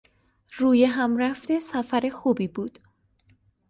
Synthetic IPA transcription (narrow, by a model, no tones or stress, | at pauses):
ruːjeɦæmræft̪e̞sæfæɾe̞xuːbiːbuːd̪̥